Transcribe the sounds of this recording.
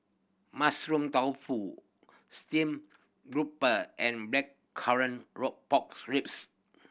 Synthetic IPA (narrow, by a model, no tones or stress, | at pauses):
masɹũmtawfu | stĩm | ɡɹupəʔɛ̃nblɛkʰaɹə̃nɹɔk̚pɔk̚sɹips